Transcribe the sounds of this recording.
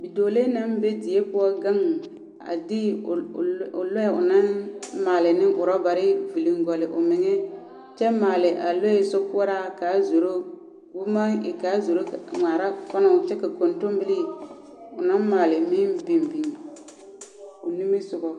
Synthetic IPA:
bi˨doː˨le˦na˦m˦be˦di˨e˦pʊ˦ɔ˦ɡa˦ŋ˨ | a̰˨di˦˨ | ʊ̰˨lo˦ɛ˨ʊ̰˨na˦nmaː˨lɪ˨nɪ˦ŋʔʊ˨ɾɔ˦ba˨ɾɪ˦vi˨li˨ŋɡɔ˨lɪ˨ʔʊ̰˨mɪ˨ŋɛ˦ | t͡ʃɛ˦maː˨lɪ˨ʔa˨lo˦ɛ˦˨so˦kʊ˦ɔ˦ɾa˦˨ka˨˦zo˨ɾo˦ | bu˦ma˦ɪ˨kaː˨˦zo˨ɾo˦kŋʷaː˨ɾa˦fɔ˦nɔ˨t͡ʃɛ˦ka˨ko˨nto˦m˦bɪ˦li˦˨ | ʊ˨nã˦nmaː˨lɪ˨mɪ˦nbi˨mbi˨ŋ˨ | ʊ˨ni˦mi˦sʊ˨ɡɔ˨

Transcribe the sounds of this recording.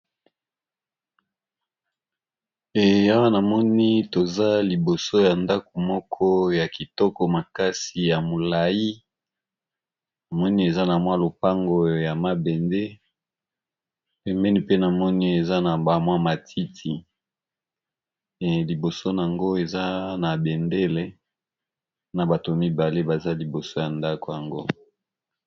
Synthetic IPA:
e˨ja˦wa˦na˨mɔ˦ni˦to˨za˦li˨bo˨so˦ja˨nda˦ko˨mɔ˦kʰɔ˦ja˨ki˨tɔ˦kɔ˨ma˨ka˦si˨ja˨mo˨la˨ji˦ | na˨mɔ˦ni˦e˨za˦na˨mwa˦lo˨pa˦ŋɡo˨ja˨ma˨bɛ˨nde˦ | pɛ˨mbɛ˦ni˦pe˦na˨mɔ˦ni˦e˨za˦na˨ba˨mwa˦ma˨tʰi˦tʰi˨ | li˨bo˨so˦na˨a˨ŋɡo˦e˨za˦na˨bɛ˨nde˦le˦ | na˨ba˨to˨mi˦ba˨le˦ba˨za˦li˨bo˨so˦ja˨nda˦ko˨ja˨ŋɡo˦

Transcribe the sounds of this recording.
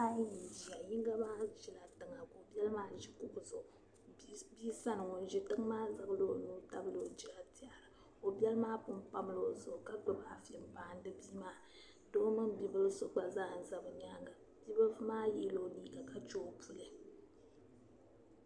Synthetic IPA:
a˦ji˨d͡ʒi˨a˨ɲi˦ŋ˦ɡa˦baː˦ʒi˨la˨tɨ˨ŋa˨ko˨bɛ˦lmaː˦ʒi˦kʊ˨ʔzʊ˨ʔʊ˨ | bi˦sa˦nɨ˨ŋo˨n˨ʒɪ˨tɨ˦ŋ˦maː˦zɨ˨bɨ˦lo˦nuː˦ta˦bɨ˦lo˨˦d͡ʒi˦a˨ti˦a˨ɾɨ˨ | o˨bɛ˦lɨ˦maː˦pʊ˦mpa˦m˦lo˦zʊ˨ʔʊ˨ka˦ɡ͡bʊ˨ba˨fɛ˨m˦baː˨n˦dɨ˦biː˦maː˦ | do˦mɨ˦ŋbi˦bɨ˦lso˦k͡pa˨zaː˦˨n̩˨za˨bɨ˨ɲa˦ŋɡa˨ | bi˦bɨ˦lfmaː˦je˦lo˦liː˦ɡa˨ka˦˨t͡ʃoː˦pʰu˦lɨ˨

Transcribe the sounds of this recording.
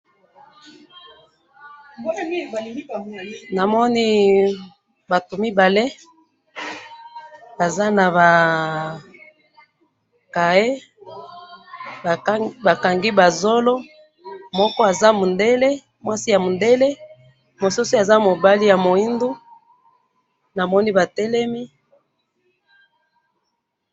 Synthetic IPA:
na˨mɔ˦ni˦ | ba˨tu˨mi˦ba˨le˦ | ba˨za˦na˨ba˨ | ka˨e˦˨ | ba˨ka˨ŋɡi˦ba˨zo˦lo˦ | mɔ˦kɔ˦a˨za˦mu˨nde˦le˦ | mwa˦si˦ja˨mo˨nde˦le˦ | mo˨su˦su˦a˨za˦mo˨ba˦li˦ja˨mo˨i˦ndu˦ | na˨mɔ˦ni˦ba˨tɛ˦lɛ˦mi˦

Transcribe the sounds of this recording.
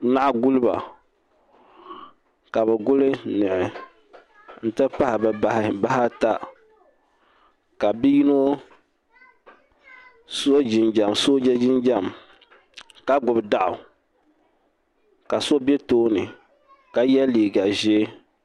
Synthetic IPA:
na˦ʔɡu˦lɨ˦ba̰˨ | ka˨bɛ˨ɡʊ˦lɨ˦nɨ˨ʔɪ˨ | n̩˦tɨ˦pa˦hɪ˨bɛ˨ba˦hɪ˨ba˦ɦa˦ta˦ | ka˨bi˦ji˦no˦ | so˦d͡ʒɪ˨nd͡ʒa˨mso˦d͡ʒɛ˦d͡ʒɪ˦nd͡ʒa˦˨m | ka˦ɡʊ˨bɨ˨da˦ʔʊ̰˨ | ka˨so˦bɛ˦toː˦nɨ˨ | ka˨jɛ˦liː˨ɡa˨ʒɛ˦

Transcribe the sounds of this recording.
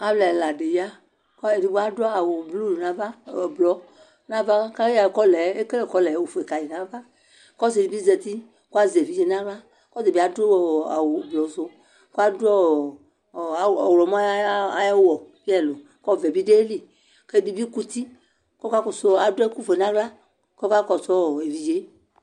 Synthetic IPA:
a˨blɛ˨la˨ɖe˨ja˦ | ke˨di˨bo˦a˦da˨wo˨blu˦˨nã˨va˦˨blɔ˨˦ | nã˦va˦ka˦a˨kɔ˦lɛ˨˦e˦ke˦le˦˨kɔ˦lɛ˨˦wo˨fo˨e˨ka˨je˨nã˨˦va˦ | kɔ˦ze˨i˨bi˦zɛ˨t̪i˦ | ko˦a˦ze˨vi˨˦d͡ʒe˨nã˦bla˦ | kɔ˦ze˨bi˨˦a˨do˦a˨wo˨blɔ˨zo˦ | ko˦a˦du˦ɔ˦˨ | ɔ˨wlɔ˨ma˦˨jwɔ˨vi˦ɛ˦˨lo˨ | kɔ˦˨vɛ˨bi˦ɖe˦e˦li˨ | ke˦di˨bi˦ku˦t̪i˦ | kɔ˦ka˦kɔ˨sɔ˦a˨dɛ˦ku˦fo˨e˨nã˦ɡla˦ | kɔ˦ka˦kɔ˨sɔ˦˨e˨vi˨d͡ʒe˨˦

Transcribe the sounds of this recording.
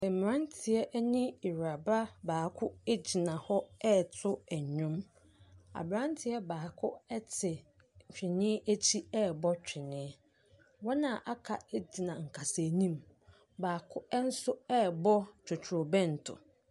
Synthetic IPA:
ɛ˨m˨m˨ã˦ntʰɪ˨ɛ˦ʔæ˦nĩ˦i˨ɾa˨ba˦baː˨kʰʊ˦e˦d͡ʑi˨nã˨hɔ˦ɛ˦˨tʰʊ˦æ˨ɲʊ̃˦m | a̰˨bɾã˦ntʰɪ˨ɛ˦baː˨kʰʊ˦ɛ˦tʰɪ˨ | t͡ɕᶣɪ˨nɪ̃˦æ˦t͡ɕʰi˦ɛ˦˨bɔ˦t͡ɕᶣɪ˨nɪ̃˦ | wɔ˦nã˨ʔa˦kʰa˨e˦d͡ʑi˨nã˨ŋ̩˨kʰa˨se˨nĩ˦m | baː˨kʰʊ˦ɛ˦n̩˦sʊ˦ɛ˦˨bɔ˦t͡ɕᶣʰʊ˨t͡ɕʰo˨bɛ̃˦n̩˨tʰʊ̰˨

